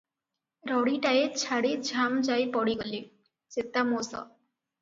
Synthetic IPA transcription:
ɾɔɽiʈajet͡ɕʰaɽid͡ʑʱamd͡ʑajpɔɽiɡoli | set̪ːamosɔ̰

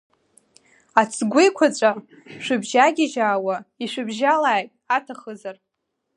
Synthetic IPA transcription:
at͡sʰʼɡʷejkʷʰat͡sʷʼa | ʃʷᶣɨbʒaɡʲɪʒaːwaiʂʷɨbʒalaːjtʼatʰaχəzar

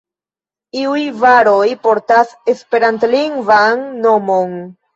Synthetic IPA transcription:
iujvaɾo̞jpo̞ɾtase̞spe̞ɾantliŋɡvanːo̞mo̞n

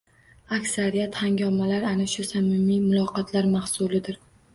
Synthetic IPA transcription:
akʲsaɾijat̪haŋɡʲɒmalaɾanaʃʊsamɪmimʊlˠɒqɒt̪ʰlaɾmahsʊlɪd̪ɪɾ

